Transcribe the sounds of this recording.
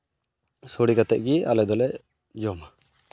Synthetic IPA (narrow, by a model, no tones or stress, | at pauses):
soɽikat̪ɛʔ̚ɡialɛd̪ɔlɛʔ | d͡ʒɔma